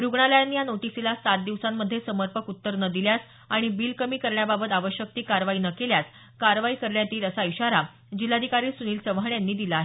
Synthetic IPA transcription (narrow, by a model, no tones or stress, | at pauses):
ɾuɡɳaləjanːijanoʈisilasat̪̚d̪iʋsamːəd̪ʱːjesəməɾpəkut̪ːəɾnəd̪iljas | aɽ̃ibilkəmiːkəɾɳjababət̪aʋəɕjək̚t̪iːkaɾʋaiːnəkeljat͡s | kaɾʋaiːkəɾɳjat̪iːləsaiɕaɾa | d͡ʑilad̪ʱikaɾiːsuniːlsəʋɦaɳjanːiːd̪ilaːɦe